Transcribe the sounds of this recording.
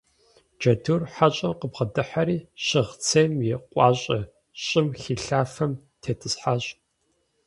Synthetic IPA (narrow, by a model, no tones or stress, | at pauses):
d͡ʒɐdurħaɕʼɐqəbʁɐdɨħaɾiːɕɪʁt͡sʰeːmjɪqʷʼɑːɕʼɐ | ɕʼɪmxiːɬaːfɐm | tʰeːtʰɨsħaɕʼ